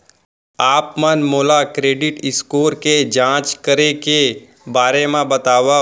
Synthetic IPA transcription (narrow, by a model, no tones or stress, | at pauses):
aːpmənmoːlakɾeːɖɪʈɪskoːɾked͡ʒãːt͡ʃkəɾeke | baːɾemẽbət̪aːʋa